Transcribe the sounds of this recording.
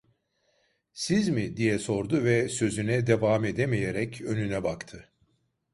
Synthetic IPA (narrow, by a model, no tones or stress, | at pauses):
sizmid̪ijɛso̞ɾd̪ʊvɛsø̞zynɛd̪evaːme̞d̪emejeɾɛcʰø̞nynɛbakt̪ʰɯ